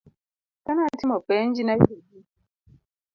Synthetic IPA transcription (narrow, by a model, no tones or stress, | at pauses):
kanatimɔpɛnd͡ʒinajidi